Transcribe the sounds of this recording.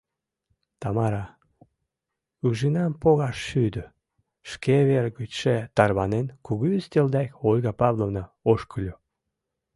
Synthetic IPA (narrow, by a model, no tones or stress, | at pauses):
t̪ɑmɑɾɑ | uʒinɑmpoɣɑʃːyd̪ə | ʃkʰeβerɣyt̪ʃet̪ɑrβɑnenkuɣyyst̪ʲeld̪ɑkolʲɣɑpɑβlovnəoʃkəlʲu